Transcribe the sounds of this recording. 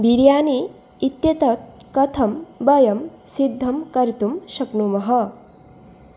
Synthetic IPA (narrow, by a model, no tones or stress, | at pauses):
biɾjaːniː | t̪jɐt̪ɐt̪̚kɐt̪ʰɐmbɐjɐm | sid̪ʱːɐmkɐɾit̪umʃɐknumɐɦɐ